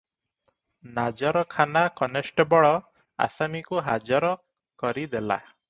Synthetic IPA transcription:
nad͡ʒɔɾɔkʰanakɔnesʈɔbɔɭɔ | a̰samikuɦad͡ʒɔɾɔ | kɔɾid̪ela̰

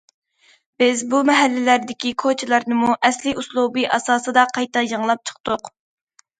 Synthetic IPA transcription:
b̥ɪzbumɛɦælːɪlæɾd̪ɪkʲikʰot͡ʃʰilˠɑɾnɨmuʔɛslɪuslˠubɨʔɑsɑːsɨd̪ɑqʰɑjt̪ɛjəŋlˠɑp̚t͡ʃʰə̥χt̪ʊq

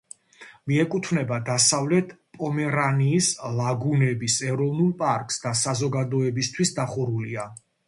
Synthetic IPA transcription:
miɛkʼut̪ʰvnɛbad̪asavlɛt̪ʰpʼɔmɛɾaniːslaɡunɛbisɛɾɔvnulˠpʼaɾkʼsd̪asazɔɡad̪ɔɛbist̪ʰwisd̪aχuɾulia

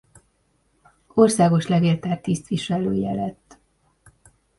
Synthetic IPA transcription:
o̞rsaːɡo̞ʃlɛɡeːlt̪aːrt̪ːist̪ʋiʃɛløːjɛ̰lɛt̪ː

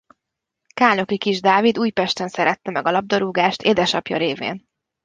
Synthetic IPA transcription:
kaːno̞kikiʒd̪aːvid̪uːjpɛʃt̪ɛnsɛɾɛt̪ːɛmɛɡɒlɒb̚d̪oɾuːɡaːʃt̪eːd̪ɛʃɒpjɒ̰ɾeːvḛːn

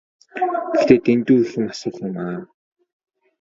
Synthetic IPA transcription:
ɡe̥xt̪eːt̪ent̪uːixɘ̆ŋasʊːɮɪ̆maː

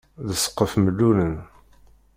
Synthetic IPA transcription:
ðəsə̥qːəfməlːunən

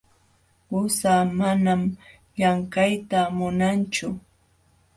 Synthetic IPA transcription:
ʊsaːmanam | jaŋkajt̪amʊnant͡ʃʊ

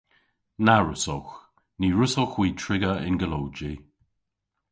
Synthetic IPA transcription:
naɹʊsɔx | niːɹʊsɔxwiːtʰɹɪɡəɪ̰nɡəlowd͡ʒi

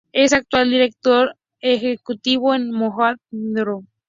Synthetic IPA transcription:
esak̚t̪wald̪iɾek̚t̪oɾ | exekut̪iβoenmoxat̪̚nd̪ɾo

